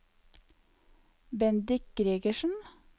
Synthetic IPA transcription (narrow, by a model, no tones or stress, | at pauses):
bɛnd̪ɪk̚ɡɾiːɡəʃn̩